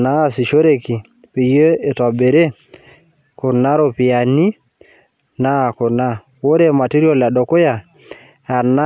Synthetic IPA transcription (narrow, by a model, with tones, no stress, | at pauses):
na˦˨si˨ʃo˦ɾe˨ki˨ | pi˨je˦e˨tɔ˨be˨ɾe˦ | ko˨na˦ɾo˦˨pi˨ja˨ni˦ | na˦˨ko˨na˦ | wo˦ɾe˦˨ma˨ti˦ɾi˦o˦la˨ɗo˨ko˦ja˨ | a˨na˦